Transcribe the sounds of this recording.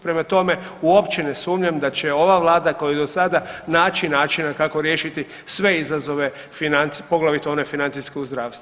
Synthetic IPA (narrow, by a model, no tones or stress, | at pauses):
pɾe̞mat̪o̞me̞uo̞pt͡ʃenesuːmɲamd̪at͡ɕe̞o̞ʋaʋlˠaːd̪ako̞jujed̪o̞sad̪anaːt͡ʃinaːt͡ʃinakako̞ɾjeːʃit̪i | sʋe̞izazo̞ʋe̞ | finant̪sipo̞ɡlˠaʋit̪io̞ne̞finant̪iskeuzd̪ɾaːʋst̪u